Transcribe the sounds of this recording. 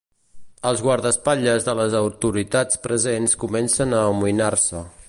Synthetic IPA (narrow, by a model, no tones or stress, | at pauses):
əlˠzɣwaɾðəspaʎəzðələzəwt̪uɾit̪at͡spɾəzenskumɛnsənəːmuinarsə